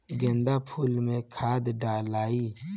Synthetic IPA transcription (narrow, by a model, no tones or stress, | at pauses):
ɡẽnd̪aːpʰuːlmẽkʰaːd̪ɖaːlaːiː